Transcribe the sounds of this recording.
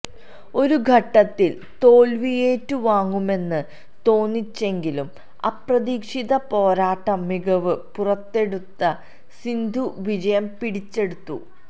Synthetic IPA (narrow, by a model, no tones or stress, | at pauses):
o̞ɾuɡʱɐʈːɐt̪ːil | t̪o̞ːlʋije̞ːtːɨʋaːŋːume̞nːɨ | t̪o̞ːnːit͡ɕːe̞ŋɡilum | ɐ̰prɐðiːkʂiðɐpo̞ːɾaːʈːɐmiɡɐʋɨpurɐt̪ːe̞ɽut̪ːɐ | sind̪ʱuʋid͡ʑɐjɐmpiɽit͡ɕːe̞ɽut̪ːṵ